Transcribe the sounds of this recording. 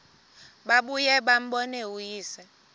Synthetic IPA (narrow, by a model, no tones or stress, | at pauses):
ɓaɓujɛɓam̩ɓɔnɛujiːsɛ